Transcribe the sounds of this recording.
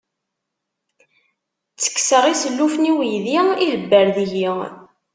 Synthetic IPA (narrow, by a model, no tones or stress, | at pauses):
t͡sːə̥kːsəʁisəlːufniwijðiiləbːəɾðiʝi